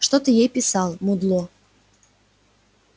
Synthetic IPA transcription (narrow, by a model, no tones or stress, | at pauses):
ʂt̪ot̪ɨjejpʲɪsɑlˠmud̪lˠo